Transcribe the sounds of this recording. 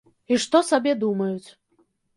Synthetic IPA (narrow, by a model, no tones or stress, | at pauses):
iʂt̪ɔsabʲɛd̪umɐjut͡sʲ